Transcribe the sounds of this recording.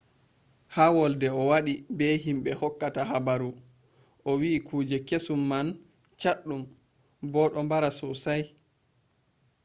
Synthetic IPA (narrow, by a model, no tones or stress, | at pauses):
hawɔldɛɔwaɗibɛɦimɓɛhɔkːataɦabaɾu | ʔɔwiːkʰuːd͡ʒɛkesumːan | t͡ʃaɗːum | bɔɗɔmbaɾasɔsaj